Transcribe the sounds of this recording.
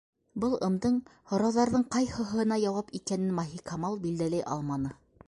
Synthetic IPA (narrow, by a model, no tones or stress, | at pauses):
bɤlˠɤ̆md̪ɤɴhŏɾɑwðɑɾðɤɴqɑjhɤ̆ɦ̆ɤ̆nɑjɑwɑpikænɘnmaɦikɑmɑlˠbild̪ælæjʔɑ̰lˠmɑnɤ